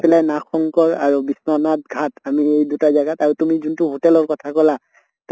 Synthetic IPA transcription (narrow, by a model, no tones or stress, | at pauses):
pɛlajnakʰɔŋkɔɹa̰ɹubisnɔnat̚ɡʱatamiejdutazaɡataɹutumizuntuɦotɛlɔɹkɔtʰakɔla | t